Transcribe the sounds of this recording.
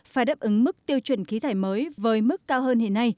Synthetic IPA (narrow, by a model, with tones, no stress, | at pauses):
faː˧˩jɗa˦˥p̚ʔɨ˨˦ŋmɨ˦˥k̚t̪i˧əwt͡ɕwə̰˧˩nxi˨˦t̪ʰaː˧˩jməː˨˦jvəː˨˦jmɨ˦˥kːaː˧wɦəː˧ne˧˩nːa˧j